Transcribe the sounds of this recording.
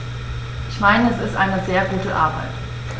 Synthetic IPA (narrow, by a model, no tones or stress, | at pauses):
ʔɪçmaɪnəɛsɪstʔaɪnəzeːɐɡuːtəʔa̰ɐba̰ɪt